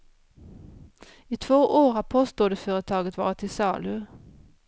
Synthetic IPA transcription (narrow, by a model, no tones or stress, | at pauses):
iːt̪ʰʋoːʔoːʁɑpʰoːst̪oːd̪eføːʁət̪ʰɑːɡət̪ʰʋɑ̰ːʁət̪ʰɪsɑːlʉ